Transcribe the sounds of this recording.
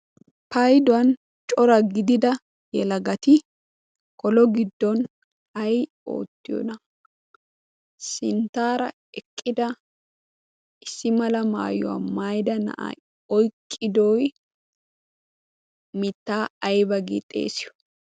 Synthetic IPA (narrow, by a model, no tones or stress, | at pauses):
pɐjd̪ʊwɐn | t͡ʃʼɔɾɐɡɪd̪ɪd̪ɐ | jɛlɐɡɐt̪ɪ | kɔlɔɡɪd̪ːɔn | ɐj | o̞̰ːt̪ːɪjɔ̰nɐ | sɪnt̪ːaːɾɐ | ɛkʼːɪd̪ɐ | ɪsːɪmɐlɐma̰ːjɔ̰wa̰mɐjd̪ɐnɐ̰ʔa̰j | ɔjkʼːɪd̪ɔj | mɪt̪ːaːɐjbɐɡḭt̪ʼːe̞̰ːsɪjɔ̥